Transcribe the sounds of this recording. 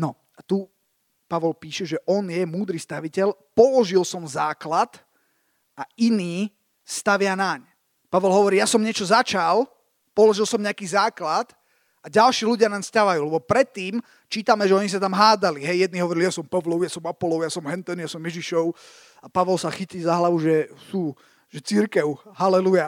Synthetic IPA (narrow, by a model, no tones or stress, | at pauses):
nɔ | at̪u | paʋɔlpiːʃɛʒɛʔɔnjɛmuːd̪ɾiːst̪aʋicɛlpɔlɔʒilsɔmzaːklat̪ | ʔainiː | st̪aʋɪanaɲ | paʋɔlɦɔʋɔɾiːjasɔmɲɪɛt͡ʃɔzat͡ʃal | pɔlɔʒilˠsɔmɲɛakiːzaːklat̪ | ʔaɟalʃiːluɟɪanamst̪aʋajuːlɛbɔpɾɛt̪ːiːm | t͡ʃiːt̪amɛʒɛɔɲis̬at̪amɦaːd͡zaliɦɛjjɛd̪niɦɔʋɔɾilijasɔmpɔʋlɔʊjasɔmapɔlɔʊjasɔmɦɛnt̪ɛnjasɔmjɛʒiʃɔʊ | apaʋɔlsaxiciːzaɦlaʋuʒɛsu | ʒ̥ɛt͡siɾkɛʊɦalɛluja